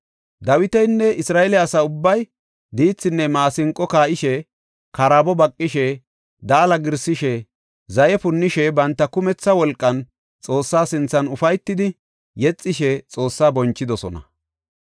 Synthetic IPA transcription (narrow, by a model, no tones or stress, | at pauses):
d̪ɐwɪt̪ɛjnːɛʔɪsɾaːʔɛlɛɐsɐʊbːɐj | d̪iːt͡sːɪnːɛmaːsɪŋkʼːɔkaːʔɪʃɛ | kɐɾabɔbɐkʼːɪʃɛ | d̪aːlɐɡɪɾsɪʃɛ | zɐjɛpʊnːɪʃɛbɐnt̪ːɐkʊmɛt͡sːɐwɔlkʼːɐn | t͡sʼo̞ːsːaːsɪnt͡sːɐnʊfɐjt̪ːɪd̪ɪ | jɛt͡sʼːɪʃɛt͡sʼo̞ːsːaːbɔnt͡ʃːɪd̪ɔsɔ̰nɐ̰